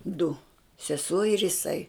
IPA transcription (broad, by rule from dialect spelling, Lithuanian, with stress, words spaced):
dʊ sʲɛˈsuɔ ɪr jɪˈsɐɪ